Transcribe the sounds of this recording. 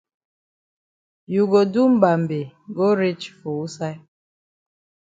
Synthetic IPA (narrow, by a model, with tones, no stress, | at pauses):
ju˨ɡo˨du˦m̩˦ba˨m̩˨be˨ɡo˦ɾi˦t͡ʃfo˨u˦sa˦